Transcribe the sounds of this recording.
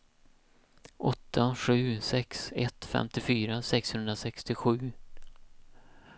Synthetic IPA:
ʔɔt̪ʰːaɧʉ̟ːsɛksɛt̪fɛ̰mt̪ɪfyːɾasɛkshɵnd̪ɾasɛkst̪ɪɧʉ̟ː

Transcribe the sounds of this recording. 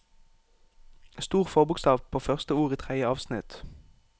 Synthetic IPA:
st̪uːʁfɔʁbʊkst̪ɑːʋpʰoːfœʁst̪əuːʁiːt̪ʰʁæɪəɑːʋsnɪt̪

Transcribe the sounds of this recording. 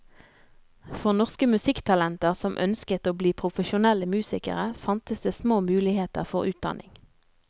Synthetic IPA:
fɔʁnɔʁskəmʉsɪkt̪ʰɑlɛnt̪əʁsɔmʔœ̰nskət̪oːbliːpʰʁʊfəʃʊnɛləmʉːsɪkə̰ʁəfɑnt̪əsd̪eːsmoːmʉːlɪheːt̪ə̰ʁfɔʁʉːt̪̚d̪ɑ̰nʔɪ̰ŋ

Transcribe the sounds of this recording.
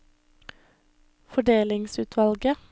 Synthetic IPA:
fɔɖeːlɪŋsʉːt̪ʰʋɑlɡə

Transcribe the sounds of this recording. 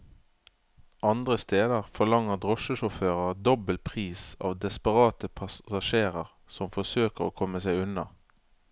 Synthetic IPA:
ɑnd̪ʁəst̪eːd̪əʁfɔlɑŋəʁd̪ʁɔʃəʃʊføːʁəd̪ɔbəlpʰʁiːsɑ̰ːʋd̪ɛspəʁɑːt̪əpʰɑɑʃeːʁəʁ | sɔmfɔsøːkəʁo̰ːkʰɔməsæɪʉnɑ

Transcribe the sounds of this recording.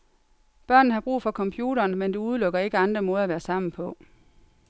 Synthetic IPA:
b̥ɶɐ̰nð̩ˠhɑ̈b̥ʁṵːfɒ̽kʰɒ̽mpʰjuːɾɐːnmend̥e̝uð̞ˠlɔ̽ɡ̥ɐe̝ɡ̥əɑ̈nd̥ʁɐmɔ̽ːð̞̩ˠæʋæːɐsɑ̈m̰n̩pʰɒ̽

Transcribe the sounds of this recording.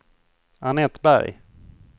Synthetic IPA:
anɛt̪bæ̰ɾj

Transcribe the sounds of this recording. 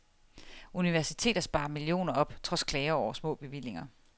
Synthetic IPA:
uniʋæɐsit͡sʰe̝̰ːd̥ɐsb̥ɑ̈ːɐmilio̝̰ːnɐɒ̽b̥t͡sʰʁɒ̽skʰlɛɪɐɒʊ̰ɐsmɔ̰̽ːb̥e̝ʋil̰e̝ŋɐ

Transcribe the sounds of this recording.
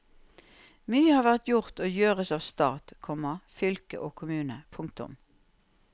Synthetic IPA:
myːəhɑːʁʋæʁt̪jʊʁt̪oːjøːʁəsɑːʋst̪ɑːt̪kʰɔmɑfʏlkə̰ʔoːkʰʊmʉːnəpʰʊŋkt̪ʊ̰m

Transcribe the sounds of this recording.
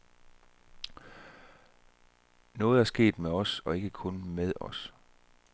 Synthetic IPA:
nɔ̽ːð̞̩ˠæɐsɡ̥e̝̰ːd̥meɒ̽sɒ̽e̝ɡ̥əkʰɔ̽nmeð̞ˠɒ̽s

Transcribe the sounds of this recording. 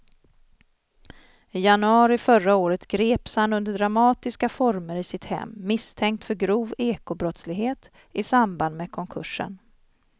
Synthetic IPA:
ɪjanɵɑːɾɪfœɾaoːɾət̪ɡɾeːpshanɵnd̪əɖɾamɑːt̪ɪskafɔɾməɾɪsɪt̪hɛ̰mːɪst̪ʰɛŋk̚t̪fœɾɡɾuːveːkʊbɾɔt̪slɪɡɦeːt̪ | ʔɪsamband̪meːkʰɔŋkʰɵʂə̰n

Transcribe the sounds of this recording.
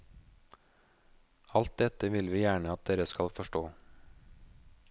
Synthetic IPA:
ɑlt̪̚d̪ɛt̪əʋɪlʋiːjæːɳəɑt̪̚d̪eːɾəskɑlfɔʃʈoː

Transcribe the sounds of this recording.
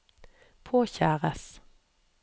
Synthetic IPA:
pʰoːçæːʁəs

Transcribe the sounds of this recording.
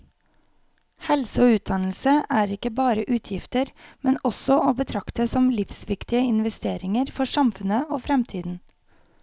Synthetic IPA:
hɛlsəoːʉːt̪̚d̪ɑnl̩səʔæːɾɪkəbɑːɾəʔʉːt̪ʰjɪft̪əɾmɛnɔsɔʔoːbət̪ʰɾɑkt̪əsɔmlɪfsʋɪkt̪ɪəɪnʋɛst̪eːɾɪŋəɾfɔsɑmfʉnəoːfɾɛmt̪ʰiːd̪n̩

